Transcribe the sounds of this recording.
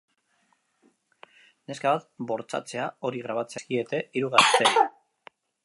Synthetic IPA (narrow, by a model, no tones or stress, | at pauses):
ne̞skaβat̪bo̞ɾt͡sa̰t͡se̞ao̞ɾiɣ̞ɾaβat͡se̞skie̞t̪e̞iɾuɣast̪e̞